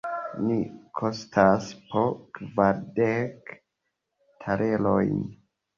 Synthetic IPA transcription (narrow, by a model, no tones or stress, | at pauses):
nikʰostʰaspʰokvaɾdek | tʰaɾʔelojn